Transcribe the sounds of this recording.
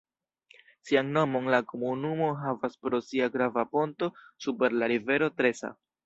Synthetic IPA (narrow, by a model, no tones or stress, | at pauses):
sianno̞mo̞nlako̞munumo̞ɦavaspɾo̞siaɡɾavapo̞nto̞supe̞ɾlaɾive̞ɾo̞tɾe̞sa̰